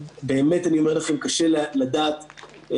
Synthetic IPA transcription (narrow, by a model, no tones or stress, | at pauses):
beːme̞taniomeʁlaχe̞mkaʃelalad̪aːt